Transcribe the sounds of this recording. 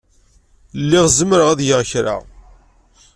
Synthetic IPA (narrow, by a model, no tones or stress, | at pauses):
lːiʁzəmɾəʁæðjəʁçɾa̰ʁ